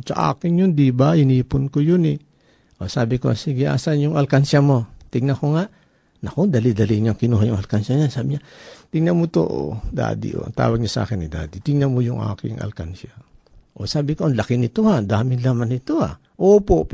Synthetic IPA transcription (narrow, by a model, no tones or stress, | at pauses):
sa̰ʔa̰ːkɪnjʊnd̪ibaɪniːpʊnkojonɪ | ʔosaːbɪko̰siɡɪʔa̰ːsanjʊŋʔɐlkansamo̞t̪ɪɡnakoŋaʔ | nɐkoŋd̪ɐlid̪ɐliɲaŋkɪnuːɦajʊŋʔɐlkansaɲansaːbɪɲat̪ɪŋnamot̪o̰ʔo̰d̪a̰ːd̪ɪ̰ʔo̰t̪a̰ːwɐɡ̚ɲasaʔa̰ːkɪnːɪd̪a̰ːd̪ɪt̪ɪŋnamojʊŋʔa̰ːkɪ̰ŋʔɐ̰lka̰nsa | ʔosaːbɪkoʔɐnlakɪnɪt̪ohad̪aːmɪnlamanɪt̪oha̰ | ʔoːpop